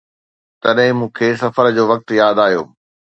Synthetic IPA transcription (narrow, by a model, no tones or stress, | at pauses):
t̪ɐɗɦɪ̃mũːkʰeːsɐfəɾd͡ʑoːʋɐk̚t̪jaːd̪aːɦijo̰ː